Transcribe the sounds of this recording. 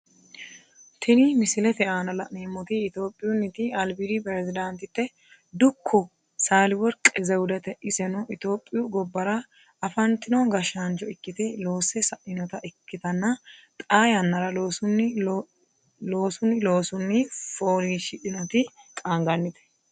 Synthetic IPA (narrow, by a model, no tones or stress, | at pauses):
t̪ʰɛnɪmɪsɪlɛt̪ɛʔaːnɐlɐniːmːɔt̪ɪɪt̪o̞ːpʼːɪjʊnːɪt̪ɪɐlbiɾipɾɛzɪd̪ɐnt̪ɪt̪ːɛ | d̪ʊkʰːɔ | saːlɪwɔɾkʼɛzɛwʊd̪ɛt̪ɛʔɪsɛnɔʔɪt̪o̞ːpʼːɪjʊɡɔbːɐɾɐ | ɐfɐnt̪ɪnɔɡɐʃant͡ʃɔɪkːɪt̪ɛlo̞ːsɛsɐʔɪnɔt̪ɐʔɪkːɪt̪ɐnːɐt̪ʼaːjɐnːɐɾɐloːsʊn | loːsʊnɪloːsʊnːɪfoːɾiʃɪʔɪnɔt̪ɪkʼaŋɡɐnːɪt̪ɛ̥